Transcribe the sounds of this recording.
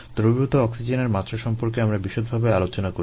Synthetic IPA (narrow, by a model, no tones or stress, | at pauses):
d̪̥ɾobut̪oɔksid͡ʑeneɾmat̪ːɾoʃɔmpoɾkeamɾabiʃod̪̚bʱabealot͡ɕonako